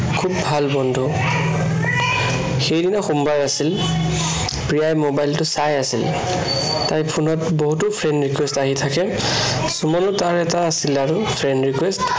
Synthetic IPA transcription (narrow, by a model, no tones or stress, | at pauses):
kʰubbʱalbɔndʱu | xejdinaxumbaɹasil | pɹijajmobajltʊsajasḭl | tajpʰunɔtboɦutʊpʰɹɛnɹikwɛstaɦitʰakɛ | sumɔnʊtaɹɛtaːsilaɹupʰɹɛnɹikwɛst